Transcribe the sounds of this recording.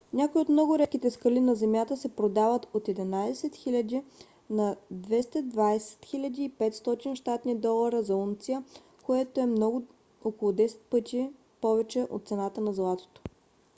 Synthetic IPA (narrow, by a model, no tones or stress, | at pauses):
nʲakoiot̪mnɔɡʊɾɛt̪kit̪ɛskəlinɐzɛmjat̪əsɛpɾod̪avət̪ot̪ɛd̪inajsɛt̪xilʲəd̪ʲi | nɐd̪vɛst̪ɐd̪vaɛsɛ̥t̪xilʲəd̪iːpɛt̪st̪ɔt̪inʃt̪at̪nid̪ɔlˠɐɾəzɐunt̪sijə | koɛt̪oɛmnɔɡʊ | okolˠʊd̪ɛsɛ̥t̪̚pɤt̪ʲi | pɔvɛt͡ʃɛʔo̰t̪t̪sɛnat̪ənɐzlˠat̪o̥t̪o̥